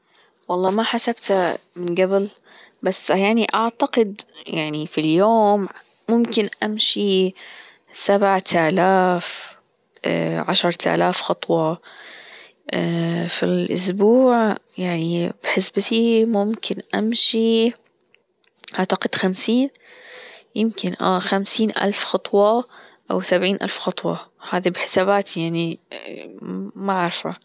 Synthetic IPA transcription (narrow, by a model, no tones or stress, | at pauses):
wɑlˤːɑːmaħasabt̪amɪnɡabɪl | basːjaʕniʔaʕt̪aqɪd̪jaʕnifiljoːmː | ʊmkɪnʔamʃi | sabʕt̪ʰalaːf | ʕaʃɑɾˤt̪ʔa̰laːfxɑt̪ˤwɑ | filʔʊsbuːʕjaʕnib̥ħɪsbt̪imʊmkʰɪnʔamʃi | ʔaʕt̪aqɪd̪xamsiːn | jɪmkɪnʔa̰ːxamsiːnʔa̰lfxɑt̪ˤwɑʔa̰wsabʕiːnʔa̰lfxɑt̪ˤwɑ̰haːðibɪħɪ̥saːbaːt̪ijaʕni | maʕaɾfa